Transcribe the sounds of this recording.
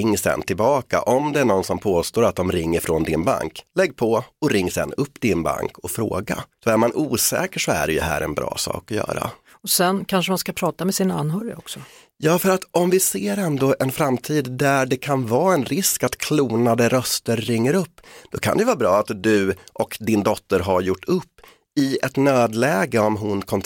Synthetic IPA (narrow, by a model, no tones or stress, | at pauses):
ɪŋːsɛ̰nt̪ʰɪlbɑːka̰ʔɔmd̪ɛæɳɔnːsɔmpʰoːst̪oːɾat̪̚d̪ɔmɾɪŋːəɾfɾɔnd̪ɪnba̰ŋklɛɡːpʰɔɔɾɪŋːsɛ̰nːɵpːd̪ɪnba̰ŋkʰɔfɾo̰ːɡa̰sɔæɾmanʔuːsɛ̰ːkəʂɔæ̰ɖɛjɵɦæ̰ːɾɛ̰nbɾɑ̰ːsɑ̰ːkɔjœ̰ːɾa̰ | ɔsɛnkʰanʂəmanskapʰɾɑːt̪amɛsɪna̰nːɦœːɾɪ̰ɔksɔ | jɑːfœɾat̪ɔmvɪseːɾɛnd̪oʔɛnfɾamːt̪ʰiːd̪d̪æɖɛkʰanvɑːɛnɾɪskat̪kʰluːnad̪əɾœst̪əɾːɪŋːəɾɵpːd̪̥ɔkʰa̰nd̪ɛjəvɑːbɾɑːat̪d̪ɵʔɔkd̪ɪnd̪ɔt̪ːəɾɦaɾjʊʈːɵpː | ɪɛt̪nøːd̪lɛːɡəɔmɦʊnkʰɔnt̪